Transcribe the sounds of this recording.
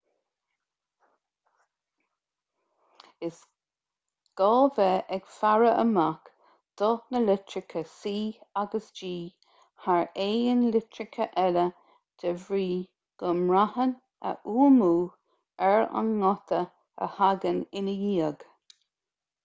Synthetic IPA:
ɪs | ɡ̥ɔːvɛʔɛɡ̥faɹəʔə̰mak | d̪̥ɔnəlɪtɹɪkʰəsiːaɡəsd͡ʒiː | haɹeːənlɪtɹɪkʰəʔɛlə | d̪̥əvɹiː | ɡ̥əmɹahən | ə̰ʔuːmuː | ɛɹa̰nːɔt̪ʰə | ə̰haɡənɪnəjiːəɡ̥

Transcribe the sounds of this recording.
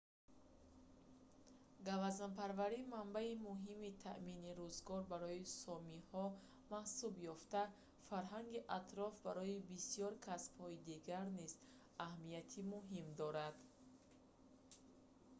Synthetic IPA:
ɡavazanpʰaɾvaɾimambaimuɦimit̪ʰa̰ʔminiɾuzɡɔɾbaɾɔisɔmihɔ | mahsubjɔft̪a | faɾɦaŋɡiʔat̪ʰɾɔfbaɾɔibisijɔɾkʰasb̥hɔid̪iɡaɾniz | ahmiat̪ʰimuɦimd̪ɔɾad̪̥

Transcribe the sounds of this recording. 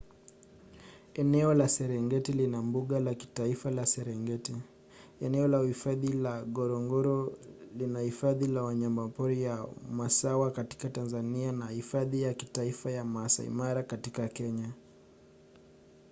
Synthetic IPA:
ɛnɛɔlasɛɾɛŋɡɛtilinambuɠalaki̥taifalasɛɾɛŋɡɛti | ɛnɛɔlahifaðilaɠɔɾɔŋɡɔɾɔlinahifaðilawaɲambapɔɾijamasawakati̥katanzanianahifaðijaki̥taifajamaasa̰ḭmaɾakatikakɛɲa

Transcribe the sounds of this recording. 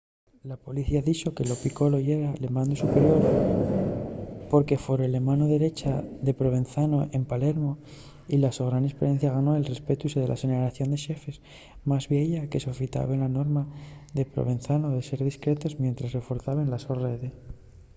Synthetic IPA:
lapo̞liθiaðit͡ʃo̞ke̞lo̞piko̞lojeɾalemãnd̪usupe̞ɾjo̞ɾ | po̞ɾke̞fo̞ɾele̞manoðe̞ɾe̞t͡ʃaðe̞pɾo̞β̞e̞nθano̞ʔe̞mpale̞ɾmo̞ | ilaso̞ɣɾanespeɾe̞n̟θjaɣ̞ano̞e̞lre̞spe̞t̪uiseðe̞lʔa̰senaɾaθjo̞nd̪e̞ʃe̞fe̞s | mazβjeʝake̞sofit̪a̰βe̞nlano̞ɾmaðe̞pɾo̰βe̞nθanoðe̞se̞ɾðiskɾet̪o̞zmje̞nt̪ɾasre̞fo̞ɾθaβenlasoreðe̞

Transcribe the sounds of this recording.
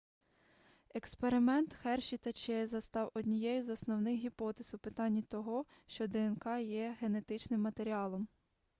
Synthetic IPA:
ekspe̞ɾɪmɛnt̪xɛrʃʲit̪ɐt͡ʃɛzɐst̪ɑwɔdʲnʲijɛjʊzɔsnɔwnɪxɦʲipɔt̪ezʊpɪt̪ɑnʲːit̪ɔɦɔʃt͡ʃɔd̪ɛenkɑjɛɦe̞ne̞t̪ɪt͡ʃnɪmːɐt̪eɾʲiɑlˠɔm

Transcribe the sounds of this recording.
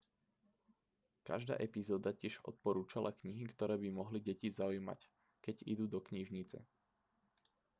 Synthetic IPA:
ka̰ʒd̪a̰ːʔɛpizɔːd̪acɪɛʒɔ̰t̪̚pɔɾuːt͡ʃalʔa̰kɲiɦikt̪ɔɾɛːbimɔɦliɟɛcizaujma̰c | kɛɟḭd̪uːd̪ɔkɲiʒɲit͡sɛ̰

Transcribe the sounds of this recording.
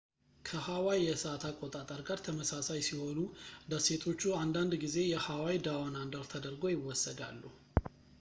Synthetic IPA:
kʰəhawajjɛsəat̪ʰakʼːot̪ʼat̪ʼəɾɡaɾt̪ʰəməsasajsiho̞lud̪əse̞t̪ʰo̞t͡ʃːuand̪and̪ɡize̞jɛhawawid̪awanand̪əɾt̪ʰəd̪əɾɡo̞jɪwːɔsːəd̪a̰lːu

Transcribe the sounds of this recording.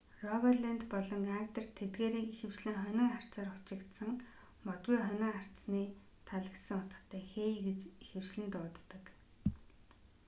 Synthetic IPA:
rɔɣɔɮent̪pɔɮɞ̆ŋaŋk̚t̪ə̆r̥t̪ʰet̪ɡeːɾeːixɘ̆w̥t͡ɕɮɘ̆ŋχœnʲɪ̆ŋar̥t͡saːrʊ̥t͡ɕɪ̆kt̪sə̆ŋ | mɔt̪̚ɡujχœnʲɪ̆ŋar̥t͡sniː | t̪ʰaɮə̆ksə̆ŋʊt̪ə̥̆χt̪ʰːæːxeːiɡet͡ɕixɘ̆w̥t͡ɕɮɘ̆nt̪ʊːt̪ːə̆k

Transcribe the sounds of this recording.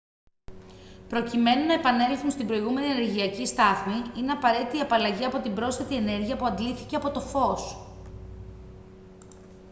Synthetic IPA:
pɾo̞cime̞nunɐe̞pɐne̞lθunst̪imbɾo̞iɣume̞niene̞ɾʝiɐcist̪ɐθmiine̞ɐpɐɾe̞t̪it̪iɐpɐlɐʝiɐpo̞t̪ibɾo̞sθet̪ie̞ne̞ɾʝiɐpuɐnd̪liθice̞ɐpo̞t̪o̞fo̞s

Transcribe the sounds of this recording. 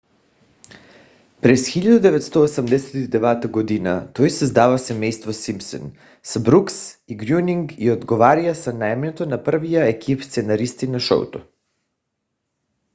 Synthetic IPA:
pɾɛsxiʎad̪ud̪ɛvɛt̪st̪oosamd̪ɛsɛt̪id̪ɛvɛt̪aɡod̪ina̰t̪ojsɛzd̪avasɛmɛjst̪vosimpsɛ̰n | sabɾuksiɡɾjuniŋɡiod̪ɡovaɾiasanaɛmnɛt̪onapr̩vijaɛkʰipst̪sɛnaɾist̪inaʃɔ̰wt̪o

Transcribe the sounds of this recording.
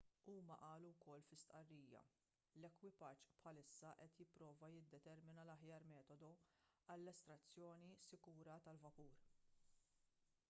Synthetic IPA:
uːmɐʔɐːluwkɔlːfɪst̪ʔɐrːiːjɐ̰ | lɛkwɪpɐt͡ʃpħɐlɪsːɐʔɛt̪jɪpːɾɔːvɐjɪd̪ːɛt̪ɛɾmɪnɐlɐħjɐːɾmɛːt̪ɔd̪ɔɐlːɛst̪ɾɐt͡sːjɔːnisɪkuːɾɐt̪ɐlvɐpuːɾ

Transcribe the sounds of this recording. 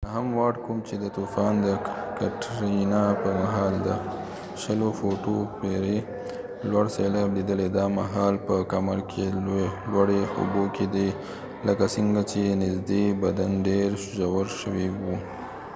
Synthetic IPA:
naɦamwɑɽkʰumt͡ʃed̪ət̪ufɑnd̪əkaʈɾiinɑpəmaɦɑld̪ə | ʃəlofoʈopeɾe | lwaɽselɑblid̪əled̪ɑmaɦɑlpəkamaɾkʰelwaɽeo̰bokʰed̪e | ləkasiŋɡat͡ʃenɪzd̪ebad̪anɖeɾʃʊʒawəɾʃəwewu

